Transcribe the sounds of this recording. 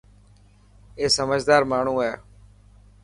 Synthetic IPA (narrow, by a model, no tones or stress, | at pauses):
eːsəməd͡ʒʱd̪aːɾmaːɳ̤ũːɦɛː